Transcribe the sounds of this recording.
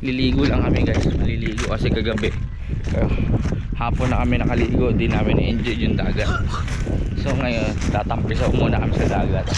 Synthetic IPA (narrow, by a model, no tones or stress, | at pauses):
lɪliːɡʊlɐŋʔɐmɪɡajsmɐlɪliːɡokɐsɛkɐɡɐbɛ | pɛɾo | haːponːɐkɐmɪnɐkɐliːɡoʔd̪ɪnaːmɪnʔɪ̰ʔɪnd͡ʒɪʔjʊŋd̪a̰ːɡɐt̪̚ | so̞ŋɐjont̪aːt̪ɐmpɪsɐʊmuːnɐkɐmɪsɐd̪aːɡɐt̪̚